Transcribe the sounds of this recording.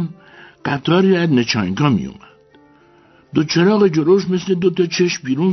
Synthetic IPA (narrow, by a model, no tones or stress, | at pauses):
n | ɢ̥æt̪ʰɒːɾiæznet͡ʃʰɒːjŋkʰɒːmḭjṵmæd̪̥ | d̪ot͡ʃʰeɾɒːɣed͡ʒoɾoʃme̞sle̞d̪ot̪ɒːt͡ʃʰeʃmbiːɾun